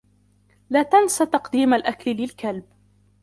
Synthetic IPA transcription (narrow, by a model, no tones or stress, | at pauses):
laːt̪ansat̪ɑqd̪iːmalʔaklɪlɪlkalb